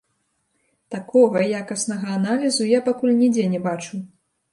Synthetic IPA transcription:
t̪akɔɣɐjakɐsnɐɣɐːnalʲizujapakulʲnʲid͡zʲɛnʲɛbat͡ʂu

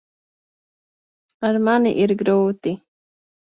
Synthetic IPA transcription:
aɾmaniʔiɾɡɾoːt̪i

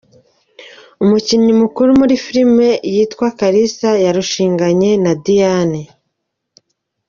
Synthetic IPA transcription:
umuciɲimukuɾumuɾifiɾime̞jiːtkwakaɾisajaɾuʃiːŋɡaɲe̞nadijane

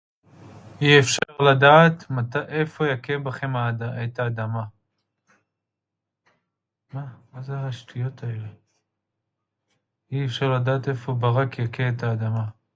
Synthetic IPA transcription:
iefʃaʁlad̪aːt̪mataʔefojakebaχemadaet̪aːd̪ama | mamazeɦaʃt̪ʰijot̪ʰaele | iefʃaʁlad̪aːt̪efobaʁakjakeet̪ʰaːd̪ama

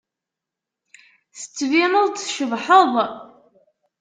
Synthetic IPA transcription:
θə̥t͡sːvinəðˤt͡sʃəvħəðˤ

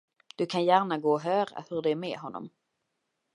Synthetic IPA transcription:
d̪̥ɵkʰanjæːɾɳaɡoːɔɦœːɾa̰hɵɖɛːɾmɛːɦɔnːɔ̰m

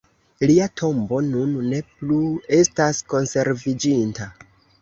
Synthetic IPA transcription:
liatʰo̞mbo̞nunːe̞plue̞stasko̞nse̞ɾvid͡ʒinta

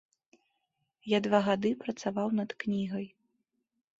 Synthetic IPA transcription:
jad̪vaɣad̪ɨpɾɐt̪savawnɐt̪knʲiɣɐj

